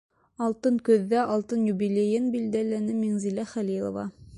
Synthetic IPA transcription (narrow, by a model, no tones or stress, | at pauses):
ɑlˠt̪ɤŋkɵ̆ðːæʔɑlˠt̪ɤnjubilʲejɘnbild̪ælænɘmiŋzilæχælilˠo̰vɑ̰